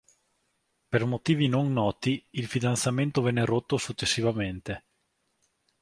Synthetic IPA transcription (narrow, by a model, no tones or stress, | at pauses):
permot̪iːvinonːɔːt̪iilfid̪ant̪sament̪ovɛnːeɾot̪ːosut͡ʃːesːivament̪e